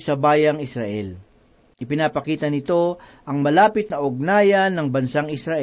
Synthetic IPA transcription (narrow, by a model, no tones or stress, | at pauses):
sɐbaːjɐŋɪsɾɐʔɛ̰l | ʔɪpɪnaːpɐkiːt̪ɐnɪt̪o̞ʔɐŋmɐlaːpɪt̪̚nɐʔʊɡ̚naːjɐnːɐŋbɐnsaŋɪsɾɐʔɛ